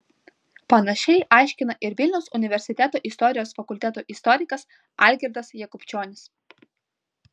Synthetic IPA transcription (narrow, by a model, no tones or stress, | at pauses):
pɐnɐʃʲɛɪʔɑˑɪʃʲkʲɪnɐʔɪɾʋʲɪlʲnʲɛʊsʊnʲɪʋʲɛɾʲsʲɪt̪ʲæt̪oːʔɪst̪ɔɾʲɪjoːsfɐkʊlʲt̪ʲɛt̪oːʔɪst̪ɔɾʲɪkɐs | ɐˑlʲɡʲɛɾʲd̪ɐsjɛkʊpʲt͡ʃʲoːnʲɪs